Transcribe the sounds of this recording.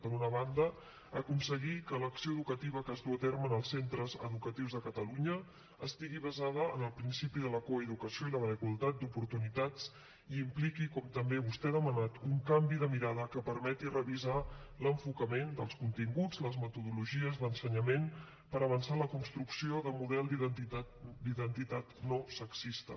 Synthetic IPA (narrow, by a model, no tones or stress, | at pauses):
ənunəβand̪ə | əkunsəɣikələksioəðukət̪iβ̞əkəzðuət̪eɾmənəlˠsːent̪ɾəzə̰ðukət̪iwzðəkət̪əluɲə | əst̪iɣiβəzað̞əənəlˠpɾinsipiðələkoəðukəsioiləðəfikulˠt̪at̪̚d̪upuɾt̪unit̪at͡s | iːmplikikɔmt̪əmbeβust̪ɛðəmənat̪uŋkambiðəmiɾaðəkəpəɾmɛt̪irəβizaləɱfukəmend̪əlˠskunt̪iŋɡud͡zləzmət̪uðuluʒiəzðənsəɲəmen | pəɾəβ̞ənsaləkunst̪ɾuksioðəmuðɛlˠd̪iðt̪id̪iðənt̪it̪at̪nosəksist̪ə̰